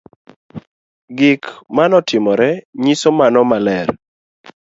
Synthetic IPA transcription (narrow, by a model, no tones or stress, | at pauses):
ɡɪkmanɔtɪmɔɾɛɲisomanɔmalɛɾ